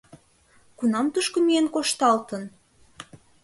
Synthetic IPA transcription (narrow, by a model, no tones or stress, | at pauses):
kunɑmt̪uʃkomienkoʃt̪ɑlt̪ə̆n